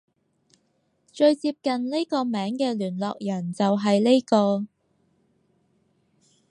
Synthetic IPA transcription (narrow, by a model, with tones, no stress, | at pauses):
t͡ʃɵ˧ɥt͡siː˧p̚kɐ˨˩nle˥jkɔː˧mɛː˨˥ŋkɛː˧lyː˨˩nlɔː˨k̚jɐ˨˩nt͡sɐ˨wɦɐ˨jle˥jkɔː˧